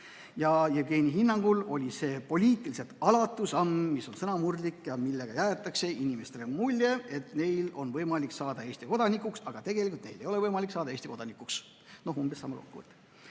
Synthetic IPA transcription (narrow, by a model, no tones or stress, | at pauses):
jɑjeɡe̞ːniɦinːɑŋɡ̥ulo̞lʲise̞ːpo̞lʲiːt̪ːˑilise̞t̪ɑlɑt̪ːˑusɑmːiso̞nsɤnɑmurlikːjɑmilːeɡ̥ɑjæet̪ːˑɑkse̞inimest̪eɾemːulʲjeet̪ne̞jlo̞nvɤjmɑlʲiksɑːd̪̥ɑeːst̪iko̞d̪̥ɑnikːuksɑɡ̥ɑt̪e̞ɡ̥e̞lʲikult̪ne̞jd̥̪e̞jo̞le̞vɤjmɑliksɑːd̪ɑeːst̪iko̞d̪̥ɑnikuks | no̞ɦumb̥esːɑ̰mːɑ̰ko̰kːuvə̰t̪ːˑ